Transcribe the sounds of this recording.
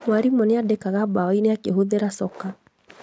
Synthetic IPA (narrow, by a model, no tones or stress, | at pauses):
mwaɾimɔneadekaɣabawaineakeɦoðeɾasɔka